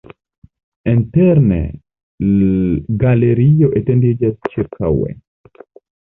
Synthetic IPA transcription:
enteɾnḛ | ɡaleɾijoʔetendid͡ʒast͡ʃiɾka̰wḛ

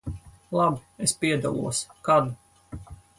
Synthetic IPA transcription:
lˠabiespiɛd̪a̰lˠṵɔskad̪u

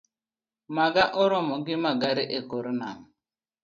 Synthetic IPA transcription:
maɡaʔɔɾɔmɔɡimaɡaɾiʔekoɾnaŋ

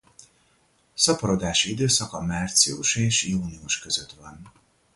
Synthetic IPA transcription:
sɒpɒɾo̞d̪aːʃiid̪øːsɒkɒmaːrt̪sḭuʃeːʃjuːniuʃkø̞zø̞t̪ʋɒn

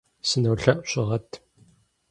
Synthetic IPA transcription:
sɨnɐwɬɐʔʼɕɪʁɐtʰ

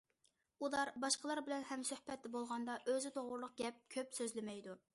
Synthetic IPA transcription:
ulˠɑɾbɑʃqəlˠɑɾbɪlɛnhɛmsøhpɛt̪ːɛbolˠʁɑnd̪ɑʔøzɪt̪ʰoʁʊɾlˠʊq̚ɡʲɛp̚kʲʰøpsøzlɪmɛjd̪u

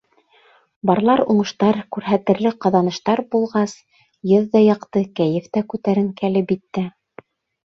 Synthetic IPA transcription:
bɑɾlˠɑɾuɴɤ̆ʃt̪ɑɾkʉɾɦæt̪ɘ̆ɾlɘqɑðɑnɤ̆ʃt̪ɑɾbulˠʁɑs | jɤðːɑjɑqt̪ɤkæjɘ̆ft̪ækʉt̪æɾɘŋkælɘpit̪ːɘ

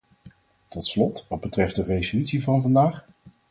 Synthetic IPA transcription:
tɔtslɔtʋɑd̚bətrɛft̚dərejzolytsivɑnvɑndaːχ

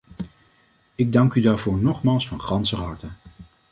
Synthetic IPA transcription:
ɪɡ̚dɑŋkydaːɹvʊːɹnɔχmaːlˠsfɑnχɑnsəɦɑɹtə

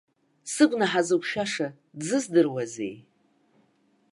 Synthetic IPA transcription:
sɨɡʷnaħazɨkʷʰʃᶣaʂa | dzɨzdɨrwazḛj

